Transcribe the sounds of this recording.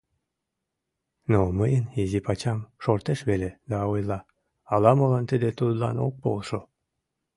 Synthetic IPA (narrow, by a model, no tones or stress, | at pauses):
noməjənizipɑt͡ɕɑmʃort̪eʃβeled̪ɑojlɑ | ɑlɑmolɑnt̪əd̪et̪ud̪lɑ̰no̰k̚polʃo